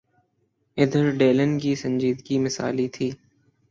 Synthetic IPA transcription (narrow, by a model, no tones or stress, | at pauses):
ɪd̪ʱəɾɖeːlənkiːsə̃ɲd͡ʒiːd̪ɡiːmɪsa̰ːlit̪ʰiː